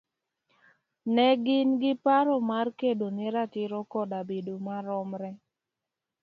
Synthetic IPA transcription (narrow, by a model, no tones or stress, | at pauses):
nɛɡɪnɡɪpaɾɔmarkedonɪɾatɪɾɔkɔdabedomaɾɔmɾɛ